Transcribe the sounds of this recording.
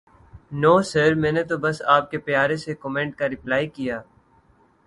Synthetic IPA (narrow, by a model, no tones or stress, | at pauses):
noːsəɾmɛ̃ːnet̪obɐsaːp̚kepjaːɾesekɔmẽːɳʈ̚kaɾɪplaːikijaː